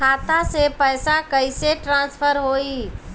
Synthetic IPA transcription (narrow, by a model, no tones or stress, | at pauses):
at̪asepəjsakəɪseʈɾãːnspʰəɾɦoi